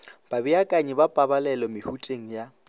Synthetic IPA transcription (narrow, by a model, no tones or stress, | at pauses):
b̥abiakʼaɲɛbapʼabalɛlɔmɪhutʼeŋ̩ja